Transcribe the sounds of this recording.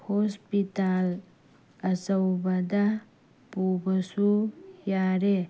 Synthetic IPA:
hoːspit̪aːl | ɐsɐwbɐd̪a | puːbɐsujaːɾe

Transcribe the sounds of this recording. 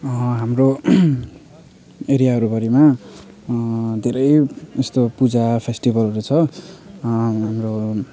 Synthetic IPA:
ɦamro | eɾijaɦʌɾubʌɾima | d̪ʱeɾʌjest̪opud͡zapʰesʈibʌlɦʌɾut͡sʰʌ | ɦamro

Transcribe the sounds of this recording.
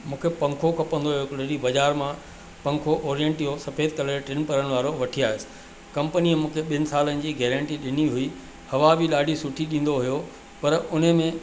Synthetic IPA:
mũːkʰepɐ̃ŋkʰokʰɐpə̃nd̪oɦijokʊləɾibɐd͡ʑaːɾmã | pɐ̃ŋkʰoʔɔːɾijə̃ɳʈijosɐfeːd̪̚kɐləɾʈɾɪnpɐɾəɽ̃̆ʋaːɾoʋɐʈʰiaːɦesɪ̥ | kɐ̃mpəniəmũːkʰeɓɪnɪ̆saːlənɪ̆d͡ʑiːɡɛːɾə̃ɳʈiɗɪniɦʊi | hɐʋabiɗaːɖʱisʊʈʰiɗĩːn̆d̪oɦijo | pɐɾʊn̤əmẽ

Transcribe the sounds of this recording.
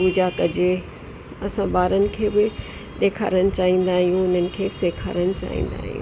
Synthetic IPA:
uːd͡ʑaːkɐd͡ʑe | ɐsãbaːɾənɪ̆kʰeːbɪ | ɗeːkʰa̰ːɾəñɪ̆t͡ɕaːɦĩːn̆d̪aːɦijũʊnənɪ̆kʰeːseːkʰa̰ːɾəñɪ̆t͡ɕa̰ːɦḭ̃ːn̆d̪a̰ːɦijṵ̃

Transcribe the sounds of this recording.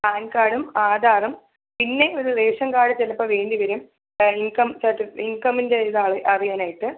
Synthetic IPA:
aːnkaːɽumaːd̪ʱaːrɐm | pinːe̞oɾuleːʂɐŋkaːɽɨt͡ɕelɐpːɐʋe̞ːɳdiʋɐɾum | iŋkɐmsɐʈːɨiŋkɐmːindeiðaːɭɨʔɐrijaːnaːjiʈːɨ

